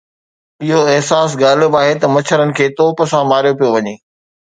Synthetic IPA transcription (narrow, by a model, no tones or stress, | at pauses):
ɪɦoɪɦsaːsɡaːl̤ɪbaːɦet̪ɐmɐt͡ɕʰəɾənɪ̆kʰeːt̪oːpəsãmaːɾijop̬ijoʋɐɲeː